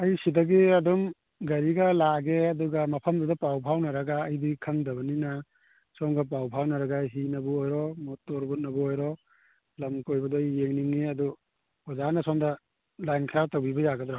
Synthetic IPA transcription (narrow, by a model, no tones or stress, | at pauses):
ɐjsidɐɡiɐdum | ɡɐɾiɡɐlaɡeɐduɡɐmɐpʰɐmdɔdɔpawpʰawnɐɾɐɡaːjdikʰɐŋdɐbɐninɐ | sɔŋɡɐp̬awpʰawnɐɾɐɡaɦinɐbuojɾɔmotɔɾbunɐbuojɾɔ | lɐmkojbɐdɔjːeŋniŋːiɐdu | ɔzanɐsɔŋdɐ | lajnkʰiɾatowbibɐjaɡɐdɾaɦ